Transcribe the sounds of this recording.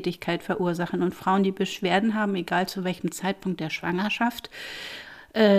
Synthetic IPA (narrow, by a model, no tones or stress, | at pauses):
tɪçkʰaɪtfɛɐʔuːɐzaχn̩ʊntfʁ̥aʊəndiːbəʃv̥eːɐdn̩ɦaːbm̩eɡaːlt͡suvɛlçəm̩t͡saɪt̚pʰʊŋk̚t̚d̥eːɐʃv̥a̰ŋɐʃaft | ʔɛː